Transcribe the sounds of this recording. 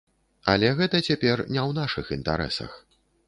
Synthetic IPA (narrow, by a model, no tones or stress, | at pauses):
ɐ̰lʲɛɣɛt̪ɐt͡sʲapʲɛrnʲɛwnaʂɨxint̪a̰ɾɛ̰sɐ̰x